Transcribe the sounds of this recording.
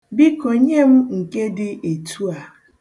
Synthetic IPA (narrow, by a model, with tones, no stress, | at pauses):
bi˦ko˨ɲe˦m̩˦ŋ̩˨ke˦dɪ˦e˨tʰu˦a˨